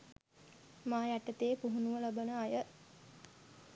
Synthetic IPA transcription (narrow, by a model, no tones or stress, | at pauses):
maːjæʈət̪eːpuɦunuʋəlabənəajə